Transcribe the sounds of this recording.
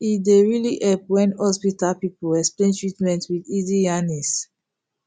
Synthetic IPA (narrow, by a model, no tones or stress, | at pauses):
ideɹiliʔɛp̚wɛ̃nhɔsbitalpipuɛksplẽntɹitmɛ̃ntwididijanis